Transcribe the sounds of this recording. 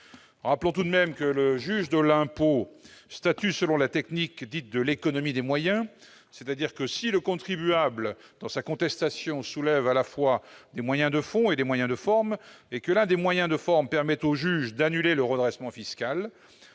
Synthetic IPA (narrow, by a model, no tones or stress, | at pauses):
ʁaplɔ̃t̪ud̪mɛmkələʒyʒd̪əlɛ̃post̪at̪ysəlɔ̃lat̪ɛknikd̪it̪̚d̪əlekɔnɔmid̪emwajɛ̃ | sɛt̪ad̪iʁkəsiləkɔ̃t̪χibyabld̪̥ɑ̃sakɔ̃t̪ɛst̪asjɔ̃sulɛvalafwad̪emwajɛ̃d̪əfɔ̃ed̪emwajɛ̃d̪əfɔʁm | ekəlɛ̃d̪emwajɛ̃d̪əfɔʁmpɛʁmɛt̪oʒyʒd̪anyleləʁəd̪ʁɛsmɑ̃fiskʲal